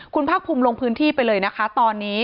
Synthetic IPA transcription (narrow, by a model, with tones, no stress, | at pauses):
kʰu˧npʰaː˥˩k̚pʰuː˧mloː˧ŋpʰɯː˦˥nt̪ʰiː˥˩pa˧jlɤː˧jna˦˥kʰa˦˥t̪ɔː˧nːiː˦˥